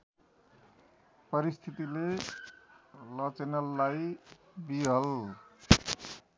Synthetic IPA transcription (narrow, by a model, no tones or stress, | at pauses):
pʌɾist̪ʰit̪ile | lʌt͡senʌlːaj | biɦʌl